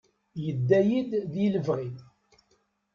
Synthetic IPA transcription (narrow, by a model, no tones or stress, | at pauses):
jəd̪ːæjid̪ðiləvʁið